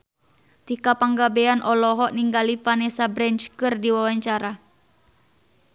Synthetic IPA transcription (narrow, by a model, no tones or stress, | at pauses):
t̪ikapaŋɡabɛanʔɔlɔɦɔʔniŋɡalifanɛsabɾɛɲt͡ʃkɨrdiwawaɲt͡ʃaɾa